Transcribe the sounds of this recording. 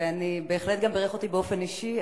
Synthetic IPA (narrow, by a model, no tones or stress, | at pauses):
anibe̞ːχle̞t̪̚ɡambeʁeχo̞t̪ibeo̞fe̞niʃi